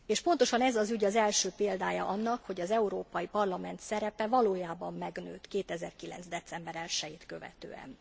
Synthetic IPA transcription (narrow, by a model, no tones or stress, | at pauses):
eːʃpo̞n̪t̪o̞ʃɒnɛzɒzyɟɒzɛlʃøːpeːld̪aːjɒ̰ʔɒnːɒkho̞ɟɒzɛuɾoːpɒjipɒrlɒmɛnt̪sɛɾɛpɛvɒloːjaːbɒmːɛɡnø̰ːt̪keːt̪ɛzɛ̰rkilɛ̰nzd̪ɛt̪sɛmbɛɾɛlʃɛjiːt̪kø̞vɛ̰t̪ø̰ːɛ̰n